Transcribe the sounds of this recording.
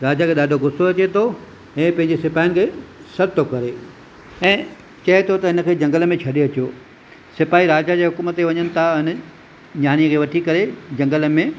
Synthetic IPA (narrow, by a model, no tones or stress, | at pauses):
ɾaːd͡ʑakʰeːɗaːɖʱoɡʊsoɐt͡ɕet̪ʰo | ɛ̃ːpɐ̃ɦɪ̃ɲd͡ʑesɪpaːjnɪ̆kʰeːsɐɾt̪ʰokɐɾe | ɛ̃ː | t͡ɕɐet̪ʰot̪ɐɦɪnə̆kʰeːd͡ʑɐ̃ŋɡələmẽt͡ɕʰɐɗeɐt͡ɕjoː | sɪpaːiɾaːd͡ʑad͡ʑeːɦʊkuːmət̪eʋɐɲənɪ̆t̪ʰaɦɪnə̆ | ɲaːniəkʰeːʋɐʈʰikɐɾed͡ʑɐ̃ŋɡələmẽ